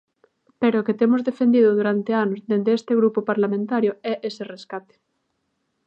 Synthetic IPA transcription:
peɾoket̪emozðefend̪iðʊðuɾant̪eanozðend̪eest̪eɣ̞ɾupopaɾlamẽnt̪aɾjoɛʔesereskat̪e̥

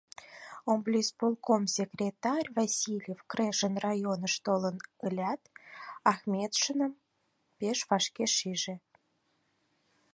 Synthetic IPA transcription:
omblʲispolˠkomsʲekrʲet̪ɑrʲvɑsʲilʲjefkreʃənrɑjonəʃt̪olənəlʲæt̪ɑxmʲet̪ʃənə̆m | peʃβɑʃkeʃiʒĕ

